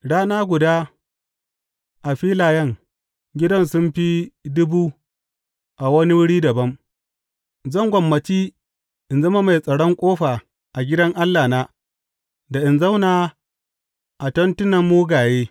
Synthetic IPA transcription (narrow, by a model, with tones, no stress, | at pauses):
ɽaː˦naː˦ɡʷʊ˨daː˦ | ʔa˨ɸiː˦laː˨jɐ˦ŋ | ɡʲɪ˦dɐ˦nsʊ˦mɸi˦dʊ˦buː˦ | ʔa˨wɐ˦ni˦wʊ˦ɽiː˦dɐ˨bɐ˦m | zɐ˦ŋɡʷɐ˨mːɐ˨t͡ʃiː˦ | ʔɪ˨nzɐ˦ma˦ma˨jsʼɐ˨ɽɔ˦ŋkʷʼoː˦ɸa˨ | ʔa˨ɡʲɪ˦dɐ˦ŋʔa˦lːaː˨naː˦ | da˨ʔɪ˨nzɐ˦wnaː˨ | ʔa˨tɐ˦ntʊ˦nɐ˨mːuː˦ɡaː˨jeː˦